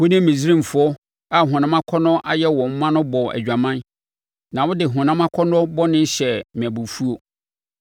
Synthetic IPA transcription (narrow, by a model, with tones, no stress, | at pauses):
wʊ˦nɪ̃˦mĩ˨si˦ɾĩ˦˨m̩˨fʊ˨˦ɔ˦ | a˦ɦʊ̃˨nã˦mã˦kʰɔ˦nʊ̃˦ʔa˨jɛ˦wɔ̃˨m̩˦mã˦nʊ̃˦bɔ˨ʔæ̰˨d͡ʑᶣa˨mã˦n | nã˨wʊ˦dɪ˨ɦʊ̃˨nã˦mã˦kʰɔ˦nɔ̃˦bɔ˦nɪ̃˦n˦ɕɛ˨mɪ̃˨æ˨bu˨fu˦o˨